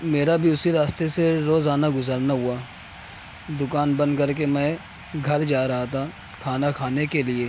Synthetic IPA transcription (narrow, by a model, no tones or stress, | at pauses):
meːɾabʱiʊsiɾaːst̪eseɾoːzaːnaɡʊzəɾnaɦʊaː | d̪ʊkaːnbɐ̃nd̪kɐɾk̬emɛ̃ː | ɡʱɐɾd͡ʒaːɾɐɦat̪ʰa | kʰaːnakʰaːnekelieː